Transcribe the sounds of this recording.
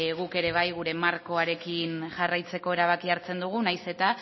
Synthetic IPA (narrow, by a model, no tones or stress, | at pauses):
ɣuke̞ɾe̞βajɣuɾe̞maɾko̞aɾe̞kinʝarajt͡se̞ko̞e̞ɾaβ̞akiaɾt͡se̞nd̪uɣ̞unajse̞t̪a